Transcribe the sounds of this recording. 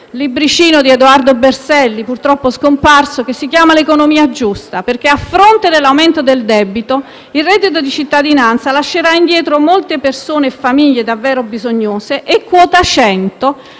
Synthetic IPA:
libɾit͡ʃiːnod̪ied̪uard̪obersɛlːipurt̪ɾɔpːoskomparsok̟esːik̟jaːmalekonomiːad͡ʒust̪aperk̟eafːɾont̪ed̪elːawment̪od̪eld̪ɛbit̪o | ilrɛd̪ːit̪̬od̪it͡ʃit̪ːad̪inant̪salaʃːeɾaind̪jɛːt̪ɾomolt̪epersoːnefːamiʎːed̪avːɛːɾobizoɲːoːseʔekːwɔːt̪at͡ʃɛnt̪o

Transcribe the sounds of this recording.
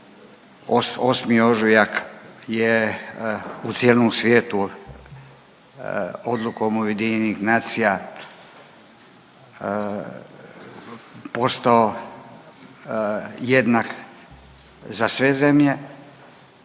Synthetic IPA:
ososmio̞ʒujakje | ut̪sjeːlnomsʋʲjeːt̪u | od̪lˠukomujed̪iɲenixnaːt̪sija | po̞st̪ao | jed̪nak | zasʋe̞ze̞mʎe̞

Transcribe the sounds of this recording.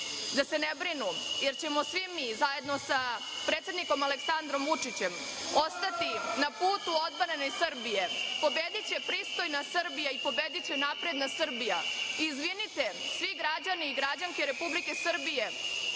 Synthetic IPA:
d̪ase̞nebɾinuje̞ɾt͡ɕe̞mo̞sʋimizaje̞d̪no̞sa | pɾet̪sjed̪niko̞maleksand̪ɾo̞mvut͡ʂit͡ɕe̞m | o̞st̪at̪inapuːt̪uo̞d̪̚banenesrbije̞po̞bed̪it͡ɕe̞pɾiːst̪o̞jnasrɾbijaipo̞be̞d̪it͡ɕe̞napɾe̞d̪nasr̩bijaizʋinit̪e̞sʋiɡɾad͡ʑaniːɡɾad͡ʑaŋkeɾe̞publike̞sr̩bije̞

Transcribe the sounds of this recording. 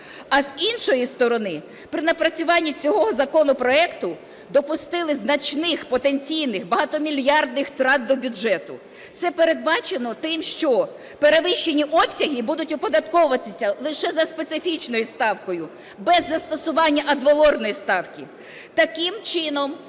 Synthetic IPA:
ɐzinʃɔjist̪ɔɾɔnɪ | pɾɪnɐpɾɐt͡sʲʊʋɑnʲːit͡sʲɔɦɔɦɔzɐkɔnɔpɾɔɛkt̪ʊ | d̪ɔpʊst̪ɪlˠɪznɐt͡ʃnɪxpɔt̪enʲt͡sʲijnɪxbɐɦɑt̪ɔmʲilʲjɑrd̪nɪxt̪ɾɑd̪̚d̪ɔbʲʊʒɛt̪ʊ | t̪sɛpe̞ɾe̞d̪̚bɑt͡ʃenɔt̪ɪmʃt͡ʃɔ | peɾeʋɪʃt͡ʃːenʲiʔɔpsʲɐɦʲibud̪ʊtʲʊpɔd̪ɐt̪kɔʋʊʋɐt̪ɪsʲɐlˠɪʃɛzɐspet̪sɪfʲit͡ʃnɔjist̪ɑwkɔjʊ | bɛzːɐst̪ɔsʊʋɑnʲːɐʔɐd̪ʋɐlˠɔrnɔjist̪ɑwkʲi | t̪ɐkɪmt͡ʃɪnɔm

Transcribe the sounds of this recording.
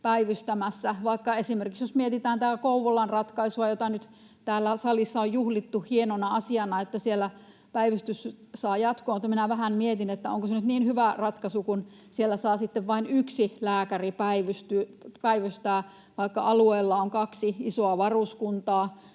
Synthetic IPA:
pæiʋyst̪æmæsːæʋɑikːɑesimerkiksjosmiet̪it̪æːnt̪ækouʋolːɑnrɑt̪kɑisuɑjot̪ɑnyt̪ | t̪æːlːæsɑlisːɑojjuhlit̪ːuhienonɑɑsiɑnɑet̪ːæsielːæ | pæiʋyst̪ys | sɑːjɑt̪koːmut̪ːɑminæʋæhæmmiet̪inet̪ːæo̰ŋkosenyt̪niːnhyʋærɑt̪kɑsukun | sielːæsɑːsit̪ːeʋʋɑinyksilæːkæripæiʋyst̪ypæiʋyst̪æː | ʋɑikːɑ̰ʔɑlueːlːɑoŋkɑksiisoɑʋɑruskunt̪ɑː

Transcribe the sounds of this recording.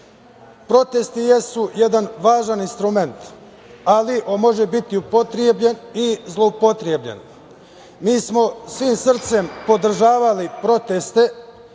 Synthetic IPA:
pɾo̞t̪e̞st̪ijesujed̪anʋaːʒaninst̪ɾume̞nt̪ | aliʔomo̞ʒebit̪iupot̪ɾjebʎe̞nizlˠo̞upo̞t̪ɾjebʎe̞̰n | miːsmo̞sʋiːmsr̩t̪se̞mpo̞d̪r̩ʒaːʋalipɾo̞t̪est̪e̞

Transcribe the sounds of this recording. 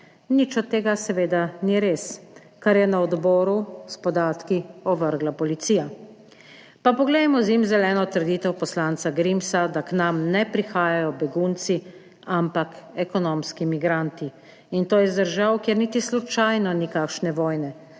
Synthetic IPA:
nit͡ʃɔt̪ːeːɡasɛʋeːd̪aniɾeːs | kaɾjɛnaɔd̪bɔːɾuspɔd̪aːt̪kiɔʋəɾɡlapɔlit̪siːja | papɔɡlɛjmɔzjimzɛlɛːnɔt̪əɾd̪iːt̪ɛwpɔslaːnt̪saɡɾimsad̪aknamnɛpɾixaːjajɔbɛɡunt̪si | ampakɛkɔnoːmskimiɡɾant̪i | int̪oːjɛzd̪əɾʒawkjeɾnit̪islut͡ʃajnɔnikakʃnɛʋɔːjnɛ

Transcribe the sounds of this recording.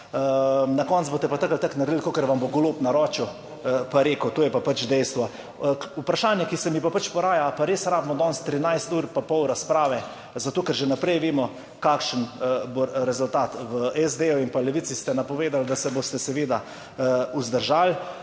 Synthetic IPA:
nakɔnt̪zbot̪ɛpat̪akəlt̪aknaɾd̪ilkoːkəɾʋamboɡoloːpnaɾɔːt͡ʃu | paɾeːkəwt̪oːjɛpapat͡ʃd̪ɛjst̪ʋɔ | upɾaʃaːnjakisɛmipapat͡ʃpɔɾaːjapaɾeːsɾaːbmɔd̪ɔːnst̪ɾinajst̪uːɾpapɔwɾaspɾaːʋɛ | zat̪oːkɛɾʒɛnapɾɛjʋeːmɔ | kaːkʃənboɾɛzʊlt̪aːt̪ʋəɛzd̪eːuinpalɛʋisist̪ɛnapɔʋeːd̪ald̪asɛbost̪ɛsɛʋeːd̪a | uzd̪əɾʒaːl

